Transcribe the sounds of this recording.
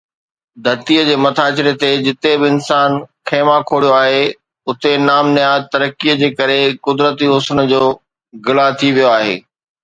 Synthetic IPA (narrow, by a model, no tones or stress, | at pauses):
d̪ʱɐɾt̪ijəd͡ʑeːmɐt̪ʰaːt͡ɕɪɾet̪ed͡ʑɪt̪ebɪɪnsaːnkʰẽːmãkʰoːɽijoaːɦe | ʊt̪enaːmnɪjaːd̪t̪ɐɾəkːiəd͡ʑeːkɐɾekʊd̪ɾət̪iɦʊsənəd͡ʑoː | ɡɪlat̪ʰiʋijoaːɦḛː